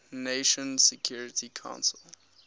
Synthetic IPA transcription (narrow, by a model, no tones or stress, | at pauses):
neʃɔ̃nsɛkʰj̥uɹɪtʰikʰã̰ʊ̃nsəlˠ